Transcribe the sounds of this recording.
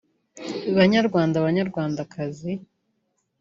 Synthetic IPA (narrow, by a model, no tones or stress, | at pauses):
βaɲaɾɡwaːndaβaɲaɾɡwaːndakazi